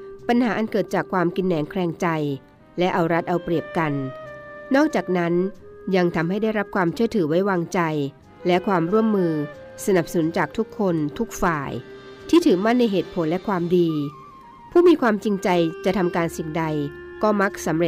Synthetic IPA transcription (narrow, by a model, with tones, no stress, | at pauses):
pa˧nhaː˩˦ʔa˧nkɤː˨˩t̪̚t͡ɕaː˨˩kʰwaː˧mki˧nːɛː˩˦ŋkʰɾɛː˧ŋt͡ɕa˧j | lɛ˦˥ʔa˧wɾa˦˥t̪̚ʔa˧wpɾi˨˩əp̚ka˧nː | ɔː˥˩k̚t͡ɕaː˨˩k̚na˦˥nja˧ŋt̪ʰa˧mha˥˩jda˥˩jɾa˦˥p̚kʰwaː˧mt͡ɕʰɯ˥˩ət̪ʰɯː˩˦wa˦˥jwaː˧ŋt͡ɕa˧j | lɛ˦˥kʰwaː˧mɾu˥˩əmːɯː˧ | sa˧na˨˩p̚sa˧nu˩˦nt͡ɕaː˨˩k̚t̪ʰu˦˥kʰːo˧nt̪ʰu˦˥k̚faː˨˩j | t̪ʰiː˥˩t̪ʰɯː˩˦ma˥˩nːa˧jɦeː˨˩t̪̚pʰo˨˩˦nlɛ˦˥kʰwaː˧mdiː˧ | pʰuː˥˩miː˧kʰwaː˧mt͡ɕi˧ŋt͡ɕa˧jt͡ɕa˨˩t̪ʰa˧mkaː˧nsi˨˩ŋda˧jkɔː˥˩ma˦˥k̚sa˩˦mɾe˨˩